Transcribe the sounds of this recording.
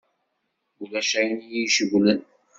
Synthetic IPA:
ulæʃæjnjiʃəɣʷlən

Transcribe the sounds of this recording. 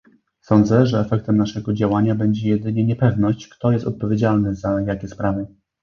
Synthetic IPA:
sɔnd̪zɛʐɛːfɛk̚t̪ɛmnaʂɛɡɔd͡ʑawaɲabɛɲd͡ʑɛjɛd̪ɘɲɛɲɛpɛvnɔɕt͡ɕkt̪ɔjɛst̪ɔ̰t̪̚pɔvʲjed͡ʑalnɘzajakʲɛspɾavɘ

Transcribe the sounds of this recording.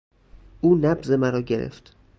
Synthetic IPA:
ʔuːnæbze̞mæɾɒːɟe̞ɾḛft̪

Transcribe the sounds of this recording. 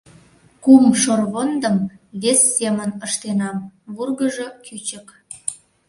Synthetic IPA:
kumʃorβond̪əmβesːemənəʃt̪enɑmβurɣəʒokʰyt͡ɕək

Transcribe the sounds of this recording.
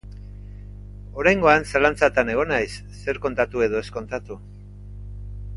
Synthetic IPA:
o̞ɾajŋɡo̞ansalant͡sat̪ane̞ɣ̞o̞najsːe̞ɾko̞nt̪at̪ue̞ðo̞e̞sko̞nt̪at̪u

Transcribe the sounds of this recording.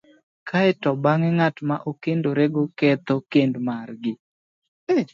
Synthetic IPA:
kʰaɛtɔbaŋɛŋatmaʔokendoɾeɡokɛt̪okendmarɡɪ

